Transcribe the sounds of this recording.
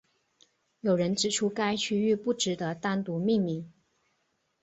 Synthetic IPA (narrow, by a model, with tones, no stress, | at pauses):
jo˨˩ʊɻə˧˥nʈ͡ʂɻ̩˨˩ʈ͡ʂʰu˥ka˥ɪt͡ɕʰy˥y˥˧pu˥˩ʈ͡ʂɻ̩˧˥d̪ə˧t̪a˥nt̪u˧˥mi˥˧ŋmi˧˩˦ŋ